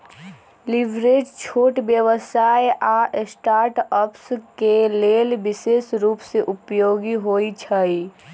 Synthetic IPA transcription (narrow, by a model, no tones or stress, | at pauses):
libɾed͡ʒt͡ʃʰoːʈbjəʋəsaːjʔaʔsʈaːɾʈəpskelelbɪsesɾuːpseʔupjoːɡiɦoit͡ʃʰəi